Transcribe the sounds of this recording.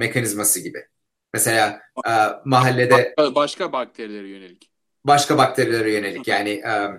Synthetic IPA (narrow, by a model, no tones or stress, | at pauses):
me̞cʰanizmasɯɟibɪ̰ | mese̞lʲaːɯːmaɦalʲːe̞d̪ɛbaʃkabak̚t̪ʰeɾilʲeɾijønelʲic | baʃkabak̚t̪ʰe̞ɾilʲeɾɛjø̞ne̞lʲicʰjaːnɪʔɛː